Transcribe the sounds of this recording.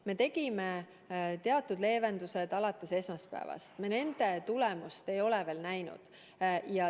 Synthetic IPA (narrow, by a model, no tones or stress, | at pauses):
me̞t̪e̞ɡ̥ime̞ | t̪e̞ɑt̪ːˑud̪le̞ːve̞nd̪̥use̞d̪̥ɑlɑt̪ːˑe̞se̞smɑspæ̰ːvɑ̰st̪me̞ne̞nd̪̥e̞t̪ulemust̪e̞jo̞leve̞ːlnæjnṵd̪̥ | jɑ